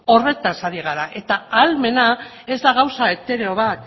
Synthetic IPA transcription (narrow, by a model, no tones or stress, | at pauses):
o̞re̞t̪asaðiɣ̞aɾaʔe̞t̪aːlme̞na | e̞zd̪aɣ̞awsae̞t̪e̞ɾeoβat̪